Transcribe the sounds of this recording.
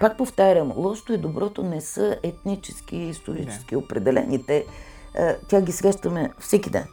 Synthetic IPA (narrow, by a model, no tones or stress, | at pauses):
pak̚poft̪aɾʲəmlˠɔʃt̪oid̪obɾɔt̪onɛsɤɛt̪nit͡ʃɛskiːst̪oɾḭt͡ʃɛ̥skiopɾɛd̪ɛlɛ̰nit̪ɛ | t̪ʲaɡʲisɛɡaʃt̪ɐmɛfsɛkʲid̪ɛ̰n